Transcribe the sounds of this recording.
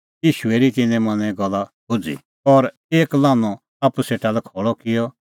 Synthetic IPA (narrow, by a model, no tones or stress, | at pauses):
jiːʃʊeɾit̪ɪnɛ̃mɐ̃nɛ̃ɡɐlːabʊd͡zḭ | ɔɾ | eːklaːnɔ | aːpuseːʈalɛkʰɔːɭɔkɪjɔ